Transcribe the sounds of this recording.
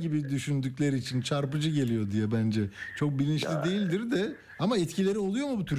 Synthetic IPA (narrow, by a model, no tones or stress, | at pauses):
ɟibid̪yʃynd̪yclʲe̞ɾiːt͡ʃʰint͡ʃʰaɾpɯd͡ʒɯɟe̞lʲijo̞d̪ijɛbænd͡ʒɛt͡ʃʰo̞k̚bilʲinʃlʲid̪e̞jilʲd̪iɾd̪ɛ | amaɛt̪cʰilʲe̞ɾio̞lˠujo̞mubut̪ʰyɾ